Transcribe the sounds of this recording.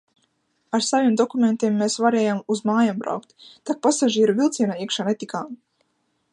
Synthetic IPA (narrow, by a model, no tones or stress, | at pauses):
aɾsavimd̪ɔkument̪imːeːsvaɾeːjamuzmaːjambɾa̰wkt̪t̪ak̚pasaʒiːɾuvilˠt̪siɛnaiɛkʃaːnet̪ikaːm